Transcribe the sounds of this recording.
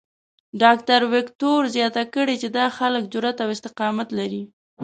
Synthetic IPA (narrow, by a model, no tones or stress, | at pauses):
ɖɑkt̪aɾwɪkt̪oɾzjɑt̪akəɽet͡ʃed̪ɑxalək̚d͡ʒʊɾat̪awɪst̪ɪqɑmat̪laɾi